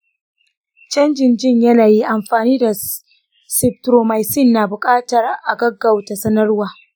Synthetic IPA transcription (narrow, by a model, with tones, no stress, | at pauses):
t͡ʃɐ˦nd͡ʒɪ˨nd͡ʒɪ˦˨ɲjɐ˦naː˨ji˦ʔa˨mɸaː˨niː˦da˨ | sɪ˨p̚tɾoː˨ma˨jsɪ˦˨nːaː˨bʊ˨kʼaː˦tɐ˨rʔa˨ɡɐ˦ɡːɐ˨wta˨sɐ˦nɐ˦rwaː˨